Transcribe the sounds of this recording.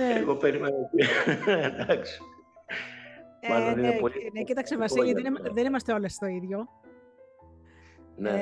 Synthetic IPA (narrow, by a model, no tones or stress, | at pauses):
neeɣopeɾimenoenend̪ɐksi̥ | mɐoninepolinecit̪ɐksevɐsʝɐnmɐðenimɐst̪eolɐst̪o̞iðʝo̞ | ne